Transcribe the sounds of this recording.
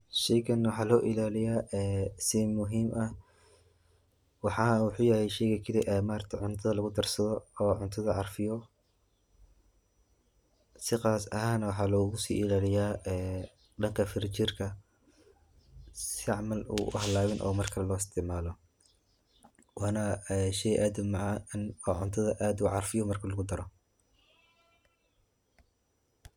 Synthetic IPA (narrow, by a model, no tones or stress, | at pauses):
ʃɛjkʰɐnːwħɑːlɔːʔɪlaːlɪjaːʔɛːsɪmʊɦiːmʔɐh | wɑħɑːwʊħuːjɛhɛjʃɛjɣɐkʰɪlɪʔɛːmaːɾt̪ʰɪʕʊnt̪ʰɐðɐlɐɣʊd̪ɐrsɐðɔːʕʊnt̪ʰɐðɐʕɑrfɪjɔ | sɪqɑːsɐ̰ɦaːnɐwɑħɑːlɔːɣʊsḭːʔɪlaːlɪjaːɛː | ɖɐŋkʰɐfɪɾt͡ʃɪrkʰɐ | sɪʕɑmɐlṵːʔʊ̰hɐlaːwɪnʔɔ̰ːmɐrkʰɐlɔːɪst̪ʰɪʕmaːlɔ | wʔɑːnɐɛʃɛjʔaːd̪mɑʕɑnɔːʕʊnt̪ʰɐðɐʔaːd̪uːʕɑrfɪjɔmɐrkʰɐlɐɣʊd̪ɐɾɔ